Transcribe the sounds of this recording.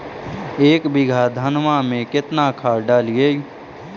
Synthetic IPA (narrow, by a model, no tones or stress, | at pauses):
eːkbɪɡʱad̪ʱənʋamẽkɪt̪nakʰaːɾɖaːlije